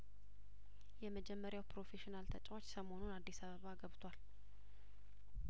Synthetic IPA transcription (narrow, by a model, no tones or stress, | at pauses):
jɛməd͡ʒɛmːəɾjawpɾo̞fe̞ʃinalt̪ʰət͡ʃʼwot͡ʃːsəmo̞nunad̪ːisaβəβaɡəβt̪ʰwal